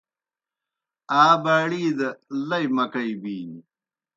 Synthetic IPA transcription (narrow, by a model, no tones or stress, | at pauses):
aːbaːɽiːd̪ɐlɐimɐkɐibiːni